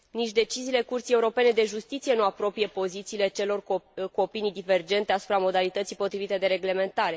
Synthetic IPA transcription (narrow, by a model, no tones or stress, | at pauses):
nit͡ʃʲd̪e̞t͡ʃiziːle̞kurt̪sijeuɾo̞pe̞ne̞d̪eʒust̪it̪sijenuapɾo̞pije̞po̞zit̪siːle̞t͡ʃe̞lo̞rkuopinijd̪ive̞rd͡ʒe̞nt̪e̞asu̥pɾamo̞d̪alit̪ət̪sijpo̞t̪ɾivit̪e̞d̪e̞ɾe̞ɡle̞me̞nt̪aɾe̞